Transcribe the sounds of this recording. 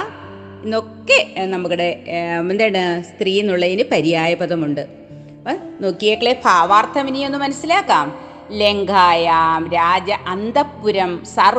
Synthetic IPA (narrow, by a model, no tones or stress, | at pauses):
ino̞kːenɐmːukːuɽe̞end̪ejːɳɨst̪riːinːuɭːɐinɨpɐɾijaːjɐbɐðɐmuɳɖɨ | no̞ːkːijeːkːɐɭepʰaːʋaːrt̪ʰɐminijo̞nːɨmɐnɐsːilaːkːaːm | le̞ŋɡʱaːjaːmɾaːd͡ʑɐʔɐnd̪ɐpːuɾɐmsɐr